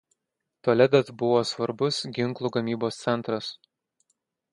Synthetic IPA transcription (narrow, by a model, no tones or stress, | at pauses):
t̪oːlʲɛd̪ɐt̪bʊʋoːsʋɐɾbʊsɡʲɪŋˑklˠuːɡɐmʲiːboːst̪sʲɛnˑt̪ɾɐs